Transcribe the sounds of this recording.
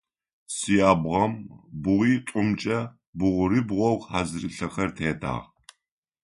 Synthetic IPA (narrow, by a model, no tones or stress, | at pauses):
sijaːbʁɐmbʊʁiːtʷʼʊmt͡ʃʼɐ | bʊʁʷʊɾibʁʷɔwħaːzɨrɨɬɐxɐrtʰeːda̰ːʁ